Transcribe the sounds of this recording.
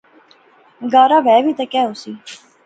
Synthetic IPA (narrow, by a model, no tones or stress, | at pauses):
ɡaːɾaːʋɛːbiːt̪əkɛːɦʊsiː